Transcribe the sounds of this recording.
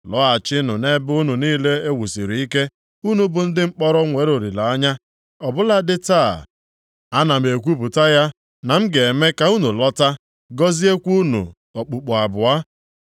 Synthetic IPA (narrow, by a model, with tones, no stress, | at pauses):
lɔ˦a˨t͡ʃɪ˦nʊ˨ne˦bu˦nu˨niː˦le˦e˦wu˨si˨ɾi˨i˦ke˦ | u˦nu˨˦bʊ˨n̩˦dɪ˦ŋ͡m̩˦k͡pɔ˦ɾɔ˦ŋʷe˨˦ɾo˨ɾi˨la˨a˦ɲa˦ | ɔ˨bʊ˦la˦dɪ˦ta˦˨ | a˦na˨m̩˨e˨kʷu˦pʊ˨ta˦ja˦ | na˨m̩˦ɡe˨e˨me˦ka˨u˦nu˨lɔ˦ta˦ | ɡɔ˦zi˦e˦kʷu˦nṵ˨ | ɔ˨k͡pu˨k͡pɔ˨a˨bʊ˨a˦